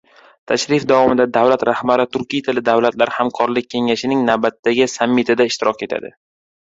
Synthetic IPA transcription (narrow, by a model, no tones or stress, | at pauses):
t̪ʰaʃɾɪfd̪avɒmɪd̪ad̪avlat̪ɾahbaɾɪt̪ʰʊɾkʲijt̪ʰɪlɪd̪avlat̪laɾhamkʰɒɾlɪk̚ʲʰːe̞ŋaʃɪnɪŋnawbat̪ːaɡʲɪsamːɪt̪ʰad̪aɪʃt̪ɪɾɒkʲe̞t̪ʰa̰d̪ɪ̰